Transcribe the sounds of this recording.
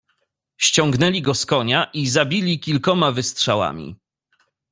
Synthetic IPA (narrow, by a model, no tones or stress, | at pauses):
ɕt͡ɕɔŋɡnɛlʲiɡɔskɔɲaʔizabʲilʲikʲilkɔmavɘst̪ʂawa̰mʲḭ